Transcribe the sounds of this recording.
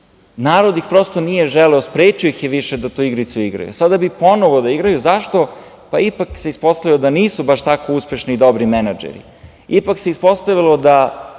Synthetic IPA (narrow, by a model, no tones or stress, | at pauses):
naːɾod̪ixpɾost̪onijeʒɛlɛospɾeːt͡ʃijoixjeʋiʃed̪at̪uːiɡɾit̪suiɡɾa̰jṵsad̪abipo̞noʋod̪aiɡɾajuzaʃt̪o | paipakseispo̞st̪aʋilod̪aniːsubaʃt̪akouspeʃniːd̪o̞bɾimenad͡ʒḛɾḭ | ipakseispo̞st̪aʋilod̪a